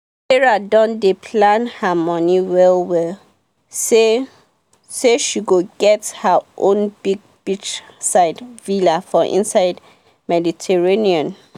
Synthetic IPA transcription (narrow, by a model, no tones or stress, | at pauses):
ɛɹadɔ̃ndepʰlãnhamɔniwɛlwɛl | se | seʃiɡoɡɛthaʔõnbiɡ̚b̥it͡ʃsaɪdvilafɔʔḭ̃nsaɪd | mɛditʰɛɹeniɔ̃n